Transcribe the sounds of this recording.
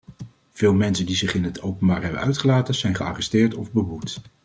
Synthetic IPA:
v̥ɪːlˠmɛnsəndizɪχɪnɦətowpənbaːɹɦɛbə̰nœɥtχəlaːtəz̥ɛjnχəa̰ːrɛstɪːɹtɔvbəɦut

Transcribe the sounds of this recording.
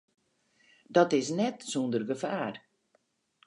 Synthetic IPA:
dɔtɪsnɛtsundərɡəfaːr

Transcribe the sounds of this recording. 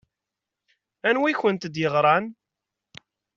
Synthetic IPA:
ænwiçənt̪d̪jəʁɾˤɑn

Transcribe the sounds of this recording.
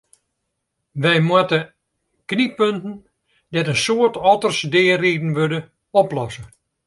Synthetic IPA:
ʋɛjmwatə | knipøntən̩ | dɛtənsoətɔtərsdɪːreːdn̩ʋødə | ɔplɔsə

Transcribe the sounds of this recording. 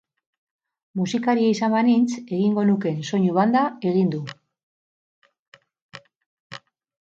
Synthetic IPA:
musikaɾiaisambanint͡se̞ɣiŋɡo̞nuke̞nso̞ɲuβand̪ae̞ɣind̪u

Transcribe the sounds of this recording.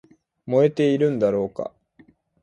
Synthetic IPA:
mo̞e̞t̪e̞iɾɯ̟̃nd̪aɾo̞ːka̰

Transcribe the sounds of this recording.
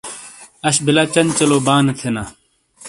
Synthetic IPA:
ɐɕbilat͡ɕɐnt͡ɕɐloːbaːnet̪ʰenaː

